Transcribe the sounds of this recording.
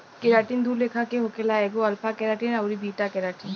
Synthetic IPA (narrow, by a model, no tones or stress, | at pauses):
kɪɾaːʈind̪ʱuːɾleːkʰakeɦokelaɛːɡoɐɾpʰakɛɾaːʈinɐwɾibʱiːʈakɛɾaːʈin